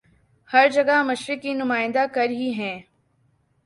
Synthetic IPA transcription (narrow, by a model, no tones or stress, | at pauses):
hɐɾd͡ʒɐɡamɐʃɾɪkːinʊmaːɪ̃nd̪akɐɾɦiɦɛ̃ː